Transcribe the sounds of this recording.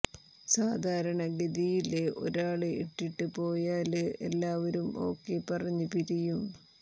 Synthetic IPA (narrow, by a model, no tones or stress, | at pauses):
saːd̪ʱaːɾɐɳɐɡɐðijileʔo̞̰ɾaːɭɨiʈːiʈːɨpo̞ːjaːlɨḛlːaːʋɐɾumo̞̰ːkːe̞pɐrɐɲːupiɾijum